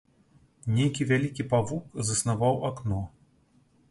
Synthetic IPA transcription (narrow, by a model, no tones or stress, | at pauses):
nʲejkʲivʲalʲikʲipavukzɐsnavawaknɔ